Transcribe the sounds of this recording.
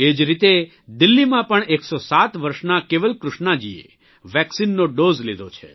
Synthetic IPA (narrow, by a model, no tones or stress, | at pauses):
ed͡ʒɾit̪e | d̪ilːimãpəɳeksosat̪ʋəɾʃnakeʋəlkɾʊʃnad͡ʒiḛ | ʋɛksinːoɖozled̪ot͡ʃʰḛ